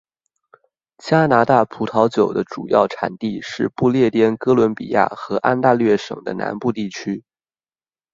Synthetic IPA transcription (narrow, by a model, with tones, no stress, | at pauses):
t͡ɕja˥na˧˥t̪a˥˩pʰu˧˥t̪ʰɑ˧˥ʊt͡ɕjo˨˩ʊd̪ə˦ʈ͡ʂṵ˨˩jɑ̰˥˩ʊʈ͡ʂʰa̰˨˩nt̪i˥˧ʂɻ̩˥˧pu˥˧ljɛ˥˩t̪jɛ˥nkɤ˥lwə˧˥npḭ˨˩ja̰˥˩xɤ˧˥ʔa˥nt̪a˥˧lɥɛ˥˩ʂɤ̰˨˩ŋd̪ə̰˦na̰˧˥npu˥˧t̪i˥˩t͡ɕʰy˥